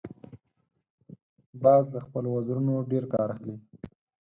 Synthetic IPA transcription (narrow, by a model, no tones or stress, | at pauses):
bɑzləxpəlowazɾunoɖeɾkɑɾaxli